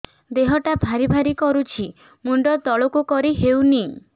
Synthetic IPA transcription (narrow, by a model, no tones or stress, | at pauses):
d̪eɦɔʈabʱaɾibʱaɾikɔɾut͡ʃʰi | muɳɖɔt̪ɔɭɔkukɔɾiɦewni